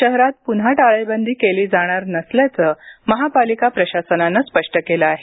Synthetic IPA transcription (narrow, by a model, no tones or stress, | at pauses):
ɕəɦɾat̪̚punɦaʈaɭəjbənd̪ʱiːkeliːd͡zaɽ̃aɾnəsljat͡səːməɦapalikapɾəɕasənanːaspəʂʈəkeləaɦe